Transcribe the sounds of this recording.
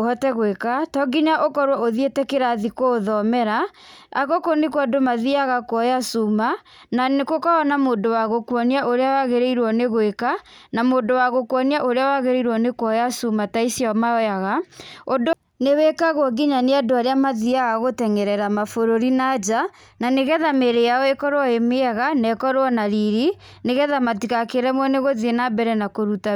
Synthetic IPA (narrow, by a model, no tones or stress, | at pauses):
oɔtɛɣwekatɔɡiɲaʔokɔɾwɔoðietɛkeɾaðikoːðɔmɛɾa | a̰ɣokonikwɔdomaðiaɣakwɔjasuma | nanekokɔɔnamoːndowaɣokwɔniaʔoɾeawaɣeɾeiɾwɔneɣoeka | namoːndowaɣokwɔniaʔoɾeawaɣeɾeiɾwɔnekɔjasumataisjɔmaɔjaɣaodo | newɛkaɣɔɡiɲaneadoaɾeamaðiaɣaɣotɛŋɛɾɛɾamafoɾoɾinad͡ʒa | naneɣɛðameɾejaɔekɔɾwɔemeaɣanɛkɔɾwɔnaɾiɾi | neɣɛðamatikakeɾɛmwɔneɣoðienabɛɾɛnakoɾuta